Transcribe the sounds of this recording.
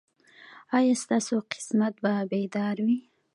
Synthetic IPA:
ɑjast̪ɑsoqɪ̥smat̪̚babed̪ɑɾwi

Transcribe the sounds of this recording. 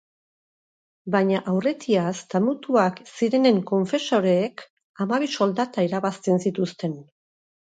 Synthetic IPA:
baɲaʔawre̞t̪iast̪amut̪uaksiɾe̞ne̞ŋko̞ɱfe̞so̞ɾe̞ːk | amaβiso̞ld̪at̪aiɾaβast̪e̞nsit̪ust̪e̞n

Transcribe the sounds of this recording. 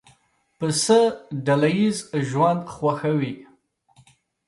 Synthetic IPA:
pʰɨsɨdɐlɐjizʒwandχʷɐxɐwiːʔ

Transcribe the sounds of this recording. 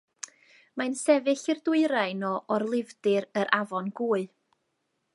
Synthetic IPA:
mansɛvɪɬɪrdʊɨɾaɨnɔʔɔrlˠɪvdɨɾəɾʔavɔnɡuːɨ

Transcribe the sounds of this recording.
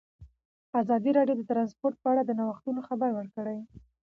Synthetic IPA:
azɑd̪iɾɑɖjod̪ət̪ɾɑnspoɾt̪̚pəaɽad̪ənawaxt̪unoxabaɾwəɽkəɽaj

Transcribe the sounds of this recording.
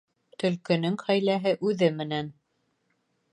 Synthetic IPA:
t̪ɵ̆lkɘ̆nɘŋχæjlæɦɘʔʉðɘmɘ̆næn

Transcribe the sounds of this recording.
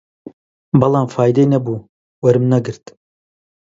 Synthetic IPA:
bɐlˠɑːmfaːjd̪ɐjnɐbuː | wɐɾɨmnɐɡɨɾt̪

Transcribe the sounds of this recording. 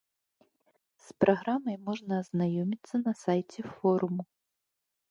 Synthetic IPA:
spɾʔaɣɾamɐjmɔʐnɐːznajɔmʲit̪sːɐnɐsajt͡sʲɛfɔɾumu

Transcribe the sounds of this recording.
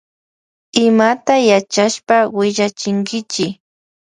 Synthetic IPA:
ɪmat̪ajat͡ʃaʃpawɪʎat͡ʃɪŋɡɪt͡ʃɪ

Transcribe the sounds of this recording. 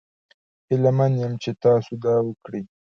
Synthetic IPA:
ɪlmanjəmt͡ʃet̪ɑsud̪ɑːwəkɽi

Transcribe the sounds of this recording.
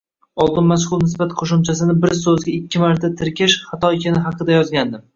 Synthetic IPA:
ɒlˠd̪ɪnmaʃ̬χʊlˠnɪsbat̪qʰoʃʊmt͡ʃʰasɪnɪbɪɾsɵzɡʲaɪkʲʰːɪmaɾt̪ʰat̪ʰɪɾkʲɪʃχɑt̪ʰɒjkʲʰɪnɪɦɑqɨd̪ajɒzɡʲand̪ɪ

